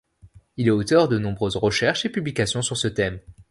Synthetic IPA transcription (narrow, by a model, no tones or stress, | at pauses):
ilɛot̪œʁd̪ənɔ̃bʁøzʁəʃɛʁʃepyblikasjɔ̃syʁsət̪ɛm